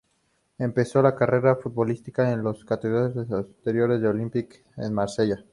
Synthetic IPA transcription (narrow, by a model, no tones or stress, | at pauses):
e̞mpe̞so̞lakare̞ɾafut̪̚βo̞list̪ikaenlo̞skat̪eðɾaosesat̪eɾjo̞ɾe̞zðeo̞limpik | ḛnmaɾse̞ʝa